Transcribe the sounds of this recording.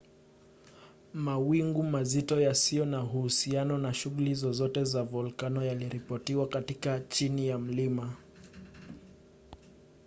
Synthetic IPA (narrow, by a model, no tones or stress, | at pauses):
mawiŋɡumazitɔjasijɔnaɦuhusianɔnaʃuɣulizɔzɔtɛzavɔlkanɔjaliɾipɔtiwakatikat͡ʃinijam̩lima